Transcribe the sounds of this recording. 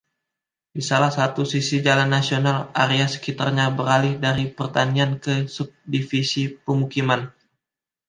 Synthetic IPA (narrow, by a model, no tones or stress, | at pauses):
disalahsat̪usisid͡ʒalanːasionalaɾiasə̥kit̪arɲabəɾalɪhdaɾipərt̪aniankəsup̚difisipəmukiman